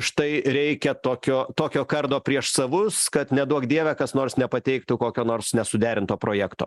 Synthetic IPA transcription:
ʃt̪ɐɪɾʲɛɪkʲɛt̪oːkʲoːt̪oːkʲoːkɐrd̪oːpʲɾʲiɛʃsɐʋʊskɐt̪nʲɛd̪uɔkd̪ʲiɛʋʲɛkɐsnoːrsnʲɛpɐt̪ʲɛɪkt̪ukoːkʲoːnoːɾsnʲɛsʊd̪ʲæːɾʲɪnt̪oːpɾoːjæːkt̪o̰ː

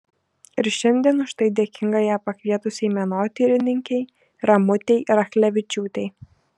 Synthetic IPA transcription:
ɪɾʃʲɛnʲd̪ʲiɛnʊʃt̪ɐɪd̪ʲeɛkʲɪŋɡɐjæːpɐkʲʋʲiɛt̪ʊsʲɛɪmʲɛnoːt̪ʲiːɾʲɪnʲɪŋʲkʲɛɪ | ɾɐmʊt̪ʲɛɪɾɐxlʲɛʋʲɪt͡ʃʲuːt̪ʲɛɪ

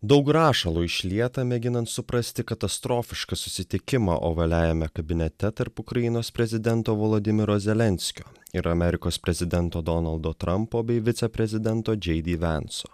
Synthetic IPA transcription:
d̪ɒʊkɾɑːʃɐlˠuːɪʃʲlʲiɛt̪ɐmʲɛɡʲɪnɐnt̪sʊpɾɐsʲt̪ʲɪkɐt̪ɐst̪ɾoːfʲɪʃkɐsʊsʲɪt̪ʲɪkʲɪmɑ̰ːʔo̰ːʋɐlʲæːjɛmʲɛkɐbʲɪnʲɛt̪ʲɛt̪ɐɾpʊkɾɐjɪnoːspʲɾʲɛzʲɪd̪ʲɛnt̪oːʋoːlˠoːd̪ʲɪmʲɪɾoːzʲɛlʲɛnʲsʲkʲoːɪɾɐmʲɛɾʲɪkoːspʲɾʲɛzʲɪd̪ʲɛnt̪oːd̪ɔnɐlˠd̪oːt̪ɾɐmpoːbʲɛɪʋʲɪt̪sʲɛpʲɾʲɛzʲɪd̪ʲɛnt̪oːd͡ʒʲɛɪd̪ʲiʋʲɛnso̰ː

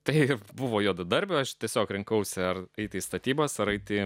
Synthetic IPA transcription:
t̪ɐɪbʊʋoːjuːd̪ɐd̪ɐɾʲbʲʊɐʃt̪ʲiɛsʲoːkɾʲɪŋkɐʊsʲɪɐrɐɪt̪ʲɪiːst̪ɐt̪ʲiːbɐsɐɾɐɪt̪ʲɪ

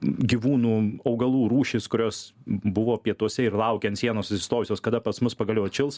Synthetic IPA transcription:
ɡʲiʋuːnuːɐʊɡɐlˠuːɾuːʃʲɪskʊɾʲoːsbʊʋoːpʲiɛt̪uɔsʲɛɪrlˠɐʊkʲɛnt̪sʲiɛnoːsʊsʲɪ̥st̪oːjʊsʲoːskɐd̪ɐpɐsmʊspɐɡɐlʲoːt͡ʃʲɪlˠs

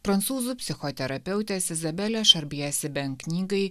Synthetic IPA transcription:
pɾɐnt̪suːzupʲsʲɪxot̪ʲɛɾɐpʲɛʊt̪ʲɛsɪzɐbʲɛlʲɛʃɐɾʲbʲiɛsʲɪbʲɛŋknʲiːɡɐɪ

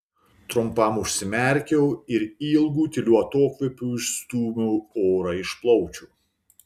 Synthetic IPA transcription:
t̪ɾʊmpɐmʊʃʲsʲɪmʲɛˑɾʲkʲɛʊɪɾiːlˠɡuːt̪ʲɪlʲuɐt̪oːkʋʲɛpʲuːɪʃst̪uːmʲuʊoːɾɑɪʃplˠɔʊt͡ʃʲuː

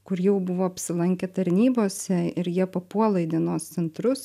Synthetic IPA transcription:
kʊɾjɛʊbʊʋoːɐpʲsʲɪlˠɐŋʲkʲeːt̪ɐɾʲnʲiːboːsʲɛɪɾjiɛpɐpuɔlˠɐɪd̪ʲɛnoːst̪sʲɛnt̪ɾʊs

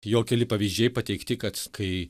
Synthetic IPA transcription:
joːkʲɛlʲɪpɐʋʲiːzʲd͡ʒʲɛɪpɐt̪ʲɛɪkt̪ʲɪkɐt̪kɐɪ

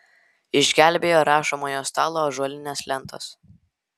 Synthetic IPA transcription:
ɪʒʲɡʲæˑlʲbʲeːjoːɾɑːʃomoːjoːst̪ɑːlˠoːʒuɔlʲɪnʲɛslʲɛnt̪o̰ːs

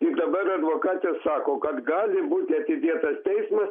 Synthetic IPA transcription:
k̪id̪ɐbɐɾɐd̪ʋokɑːt̪ʲɛsɑːkoːkɐt̪ɡɑːzʲɪbut̪ʲeɐt̪ʲɪd̪ʲiːt̪ɐst̪ʲɛɪsmɐs

